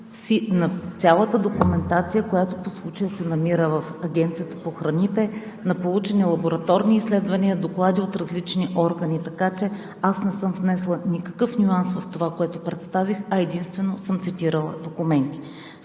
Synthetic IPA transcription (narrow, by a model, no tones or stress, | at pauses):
sinɐt̪sʲalˠət̪əd̪okumɛnt̪at̪sijəkojat̪oposlˠut͡ʃəjəsɛnɐmiɾəvɐfɐɡʲɛnt̪sijət̪ə̥poxɾɐnit̪ɛ | nɐpolˠut͡ʃɛnɛlˠɐboɾɐt̪ɔɾniːslɛd̪vɐniəd̪oklˠad̪iot̪ɾɐzlit͡ʃniʔɔɾɡənit̪ɐkat͡ʃɛ | asnɛsɤmvnɛslˠənʲikɐkɤfnʲuansvɐft̪ovakoɛt̪opɾɛt̪st̪avixɐɛd̪inst̪vɛnosɤmt̪sit̪iɾəlˠəd̪okumɛnt̪i̥